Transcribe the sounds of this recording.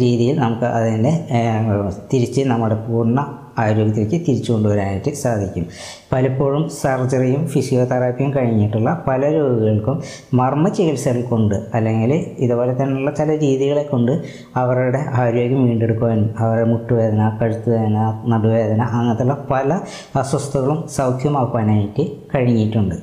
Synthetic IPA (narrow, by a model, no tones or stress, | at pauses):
ɾiːðijilnɐmukːɨʔɐðinde̞ | t̪iɾit͡ɕːɨnɐmːuɽe̞puːrnːɐ | aːɾo̞ːɡʲɐt̪ːilɐkʲːɨt̪iɾit͡ɕːuko̞ɳɖuʋɐɾaːniʈːɨsaːd̪ʱikʲːum | pɐlɐpːoːɻumsɐrd͡ʑɐrijumfisijo̞ːt̪ɐɾaːpijumkɐɻiɲːiʈːuɭːɐpɐlɐɾoːɡuɣɐɭkumː | ɐrmɐt͡ɕːeɣɐlsɐɾilko̞ɳɖɨɐlːe̞ŋɡiliðubo̞ːle̞t̪ːɐnːuɭːɐt͡ɕilɐɾiːðiɣɐɭe̞kːoɳɖɨ | ɐʋɐruuɽe̞ʔaːɾjo̞ːɡjɐmʋiːɳɖe̞ɽukːuʋaːnumɐʋɐrɽemuʈːuʋe̞ːd̪ɐnɐkɐɻut̪ːuʋeːðɐnɐnɐbuʋe̞ːd̪ɐnɐʔɐŋːɐt̪ːuɭːɐpɐlɐ | ɐswɐst̪ʰɐɣɐɭumsɐwkʰjɐmaːkːuʋaːnaːjiʈːɨkɐɻiɲːiʈːuɳɖɨ